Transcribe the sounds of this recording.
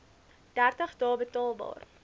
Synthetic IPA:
d̥ærtəχdɑːbətɑːlˠbɑ̰ːr

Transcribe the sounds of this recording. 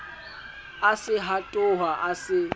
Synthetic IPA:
asɪɦatʼʊɦaʔasɪ

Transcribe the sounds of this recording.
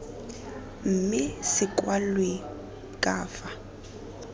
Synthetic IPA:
m̩mɪsɪkʼwalwe | kʼaːfa

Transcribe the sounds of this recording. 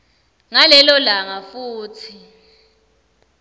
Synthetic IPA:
ŋalɛlɔlaŋafuːt͡sʰi

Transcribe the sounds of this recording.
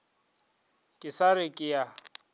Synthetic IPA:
kʼɪsaɾɪkʼɪja

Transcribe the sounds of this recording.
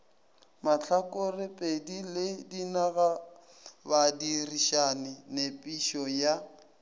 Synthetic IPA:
mat͡ɬʰakʼʊrɪpʼedilɪdinaɣa | badiriʃanɪnepʼiʃɔja

